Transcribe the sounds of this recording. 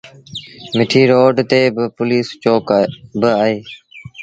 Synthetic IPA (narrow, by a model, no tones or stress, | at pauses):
mɪʈʰiːɾoːɖt̪eːbɪpʊliːst͡ʃoːkbɪaːɦeː